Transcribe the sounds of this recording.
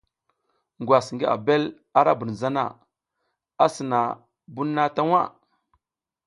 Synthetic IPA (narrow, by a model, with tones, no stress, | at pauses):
ŋɡwa˨sŋɡi˦ʔa̰˨be˦l | a˦ɾa˦bu˨n˨za˦na̰˦˨ | a˦sə˨na˨ | bu˦nː˦a˦ta˦ŋa̰˦˨